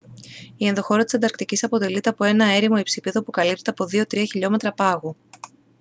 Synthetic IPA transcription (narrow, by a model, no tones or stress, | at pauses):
ienðo̞xo̞ɾɐt̪isend̪ɐɾk̚t̪icisɐpo̞t̪e̞lit̪e̞ɐpo̞e̞nɐe̞ɾimo̞ipsipeðopukɐlipt̪et̪ɐpo̞ðio̞t̪ɾiɐçiʎo̞me̞t̪ɾɐpɐɣu